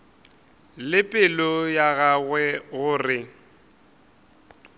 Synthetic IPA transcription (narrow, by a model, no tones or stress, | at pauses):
lɪpʼɪlɔjaɣaɣwɛɣʊːrɪ